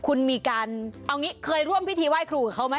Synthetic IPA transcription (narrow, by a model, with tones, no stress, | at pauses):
kʰu˧nmiː˧kaː˧nʔa˧wŋiː˦˥kʰɤː˧jɾu˥˩mpʰi˦˥t̪ʰiː˧waː˥˩jkʰɾuː˧ka˨˩kʰa˦˥wma˦˥